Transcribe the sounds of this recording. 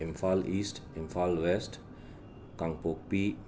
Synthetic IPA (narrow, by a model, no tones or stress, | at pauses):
ɛ̃mfalistɛ̃mfalwɛst | kãŋpok̚pi